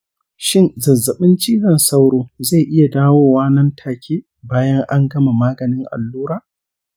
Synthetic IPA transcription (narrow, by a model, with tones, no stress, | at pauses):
ʃɪ˦˨nzɐ˨zːɐ˨ɓɪ˦nt͡ʃiː˦ɡɐ˨nsa˦wɽoː˦za˦˨ʔɪ˦ja˨daː˦woː˦waː˦nɐ˦ntʰaː˨kʲʰeː˦ | baː˦jɐ˦ŋʔa˦ŋɡɐ˦ma˨maː˦ɡɐ˨nɪ˦ŋʔa̰˨lːuː˦ɾaː˦˨